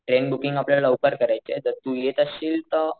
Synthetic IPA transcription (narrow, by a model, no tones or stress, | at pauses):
ʈɾenbukiŋɡapljalaukəɾkəɾajt͡set̪əɾt̪ujet̪əsiːlt̪ə